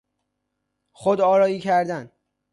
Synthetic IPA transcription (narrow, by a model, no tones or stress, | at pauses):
xod̪ɒːɾɒːiːcʰæɾd̪æn